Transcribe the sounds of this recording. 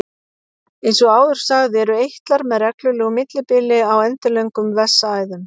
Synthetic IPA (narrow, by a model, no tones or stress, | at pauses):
ejnsɔaːwðʏɾ̥saɣðɪɛɾʏejht̪laɾmɛðrɛklʏlɛːɣʏmɪt̪lɪpɪlɪawɛnt̪ɪleɥŋkʏmvɛsːaːjðʏm